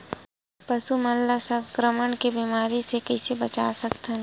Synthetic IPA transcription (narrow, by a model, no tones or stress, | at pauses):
pɐsumɐllasəbkɾəməɳkebiːmaːɾisekɐɪsebɐt͡ʃaːsɐkt̪ən